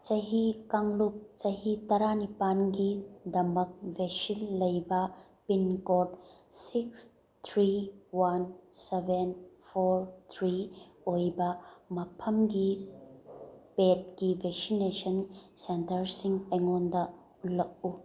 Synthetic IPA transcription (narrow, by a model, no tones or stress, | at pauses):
t͡ʃɐɦikaŋlup̚t͡ʃɐɦitɐɾanipanɡidɐmɐk̚veksilːɐjbɐ | pinkotsiks | t̪ʰɾiwansebenpʰoɾt̪ʰɾiojbɐmɐpʰɐmɡi | pet̚ɡibʱeksinesɐnsentɐɾsiŋeŋondɐ | ulːɐk̚u